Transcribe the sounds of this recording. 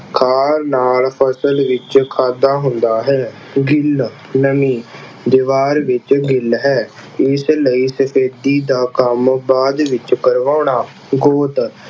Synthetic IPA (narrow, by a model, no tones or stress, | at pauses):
kʰaːɾnaːlpʰəsəlʋɪt͡ʃkʰaːd̪aːɦʊnd̪aːɦɛː | ɡɪl | nəmiː | d̪ɪʋaːɾʋɪt͡ʃɡɪlɦɛː | ɪsləiːsəpʰeːd̪iːd̪aːkəmbaːd̪ʋɪt͡ʃkəɾʋaːɳaː | ɡoːt̪